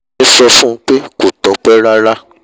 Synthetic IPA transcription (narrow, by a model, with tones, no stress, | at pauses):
ĩ˦sɔ˧fũ˦k͡pe˦ko˨tɔ˨˦k͡pɛ˦ɾa˦ɾa˦